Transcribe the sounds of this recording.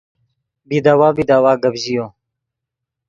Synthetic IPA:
bid̪aːwaːbid̪aːwaːɡəbʑijoː

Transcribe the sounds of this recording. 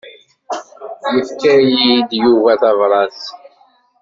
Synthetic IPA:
jəfkæjid̪juvæθɑvɾˤɑs

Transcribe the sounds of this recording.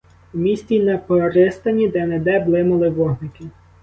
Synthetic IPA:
umʲisʲt͡sʲinɛpɔɾɪst̪ɐnʲid̪ɛnɛd̪ɛblˠɪmʊlˠɪʋɔɦnɪkɪ

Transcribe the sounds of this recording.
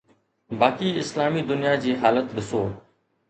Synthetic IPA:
baːkiːɪslaːmiːd̪ʊnɪjaːd͡ʑiːɦaːlət̪ɗɪsoː

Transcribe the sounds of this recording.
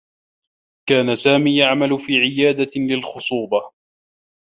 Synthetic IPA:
kaːnasaːmiːjaʕmalʊfiːʕɪjaːd̪alɪlxʊsˤuːbɑ

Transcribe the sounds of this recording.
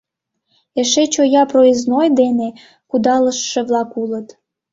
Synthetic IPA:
eʃet͡ɕojɑproiznojd̪ene | kud̪ɑləʃːĕβlɑkulət̪

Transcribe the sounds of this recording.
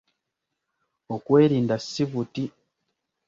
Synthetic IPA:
okwe̞ːɾiːndasːiβuti

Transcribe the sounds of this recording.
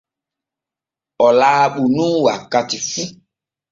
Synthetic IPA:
ɔlaːɓunũwakatifu

